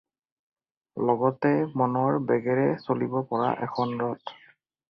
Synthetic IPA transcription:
lɔɡɔtɛmɔnɔɹbɛɡɛɹɛsolibɔpɔɹa̰ʔɛkʰɔnɹɔt

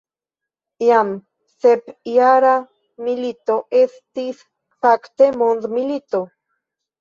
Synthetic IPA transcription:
jam | sepjaɾa | milit̪oʔest̪is | pakt̪emonðmilit̪o

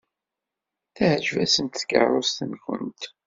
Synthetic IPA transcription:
θæʕʒvæsənt̪θkə̰ɾˤost̪ənçə̰nt̪

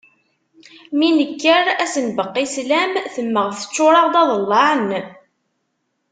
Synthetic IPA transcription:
minəkːəɾæsənbəqːislæmθəmːəʁθə̥t͡ʃːʊɾˤɑʁd̪ɑðˤəlːɑʕn

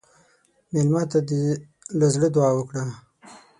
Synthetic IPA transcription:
melmɑt̪ad̪ə | lazɽəd̪ʊɑːwəkɽa

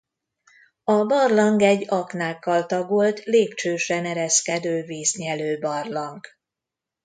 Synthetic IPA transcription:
ɒbɒrlɒŋɡɛɟːɒknaːkːɒlt̪ɒɡolt̪leːp̚t͡ʃøːʃɛnɛɾɛskɛd̪øːveːsɲɛløːbɒrlɒŋk

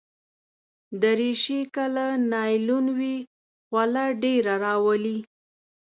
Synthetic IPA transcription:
d̪əɾiʃikəlanɑjlunwi | ɣwalaɖeɾaɾɑwəli

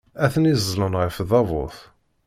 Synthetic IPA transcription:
æθənizlənʁəfðɑvʊ̰θ

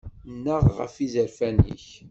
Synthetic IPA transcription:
nːəʁʁə̰fizəɾfænḭç

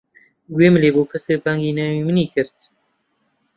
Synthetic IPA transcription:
ɡweːmɨleːboːpʰɨseːbaŋɡiːnɛːwiːmɨniːkʰɨɾt̪

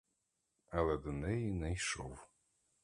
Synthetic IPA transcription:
alɛd̪ɨnɛjnɛjʃɔw

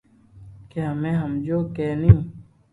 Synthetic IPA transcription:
keəmẽːɦəmd͡ʒoːkeːniũː

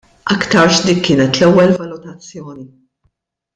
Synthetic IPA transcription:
ʔɐkt̪ɐɾʃd̪iːkːɪːnɛt̪lɛwːɛlvɐlʊt̪ɐt͡sːjɔːni

